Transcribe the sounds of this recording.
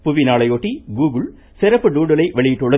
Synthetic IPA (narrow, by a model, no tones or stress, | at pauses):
pʊʋɪnaːɭɐjoːʈːiɡuːɡɯɭ | sɪɾɐpːɯɖ̪uːɽɐlɐɪʋɛɭɪjɪʈːʊɭːɐ